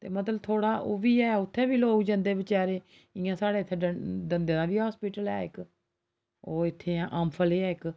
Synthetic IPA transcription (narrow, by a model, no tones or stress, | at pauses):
t̪ḛːmət̪̬ləbt̪ʰoːɽaːʔoːʋiːɛːʊt̪ʰːẽːbiːloːɡd͡ʒə̃nd̪eːbɪt͡ʃaːɾeː | ɪ̃ːãːsaːɽeːt̪ʰːeːədənd̪eːãːʋiːɦaːspiːʈəlɛːɪk | oːɪt̪ʰːẽːʔaːmpʰəleːɛːɪk